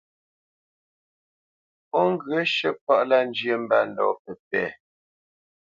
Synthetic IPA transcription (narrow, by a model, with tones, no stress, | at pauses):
ɔ˦ŋ̩˦ɡə˨˦ʃə˦pa˦ʔla˦n˦d͡ʒjə˨m̩˦ba̰˦˨n̩˨dɔ̰˨pə˨p̚ɛ̰˨